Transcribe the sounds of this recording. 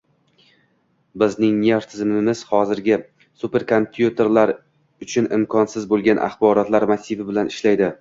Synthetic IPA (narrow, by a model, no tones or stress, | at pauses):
bɪznɪŋnʲeɾt̪ʰɪzmɪmɪz̥hɒzɪɾɡʲɪ | supe̞ɾkʰompʰjut̪ʰe̞ɾlaɾ | ʊt͡ʃʰʊnɪmkʰɒnsɪzbolˠɡʲanʔa̰χbɒɾɒt̪laɾmasɪvɪbɪlanɪʃlajd̪ɪ